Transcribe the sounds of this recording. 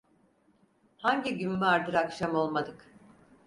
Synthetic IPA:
haɲɟiɟynmaɾd̪ɯɾakʃamo̞lˠmad̪ɯk

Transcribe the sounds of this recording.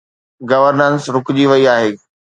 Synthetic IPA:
ɡɐʋəɾnənsɾʊkʊd͡ʑiʋɐiaːɦeː

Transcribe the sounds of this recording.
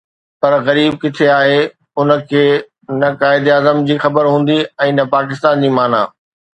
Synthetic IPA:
pɐɾɣɐɾiːb̚kɪt̪ʰeaːɦe | ʊnə̆kʰeː | nɐkaːɪd̪iaːzəmd͡ʑiːxɐbəɾɦũːn̆d̪iɛ̃ːnɐpaːk̬ɪst̪aːnd͡ʑiːmaːna̰ː

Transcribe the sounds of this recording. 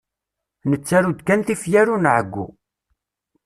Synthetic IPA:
nət͡sːæɾud̪kænθifjæɾunʕəɡʷːṵ

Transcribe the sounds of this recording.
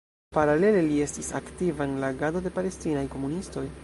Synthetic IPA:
paɾale̞le̞lie̞stisa̰ktivaenlaɡadode̞pale̞stinajko̞munisto̞j

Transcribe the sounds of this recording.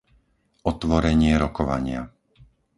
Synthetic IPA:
ʔɔt̪ʋɔɾɛɲɪɛɾɔkɔʋa̰ɲɪa̰

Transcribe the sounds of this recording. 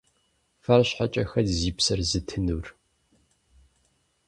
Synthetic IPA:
fɐrɕħat͡ʃʼɐxɐdziːpsɐrzɨtʰɨnuːr

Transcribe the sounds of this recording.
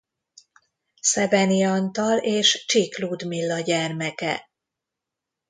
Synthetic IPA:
sɛvɛniɒnt̪ɒleːʃt͡ʃiklud̪milːɒɟɛrmɛkɛ̰

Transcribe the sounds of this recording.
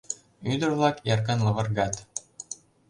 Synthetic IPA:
yd̪ə̆rvlˠɑkjɑrk̬ɑnlˠɤ̆vɤ̆rɡɑt̪

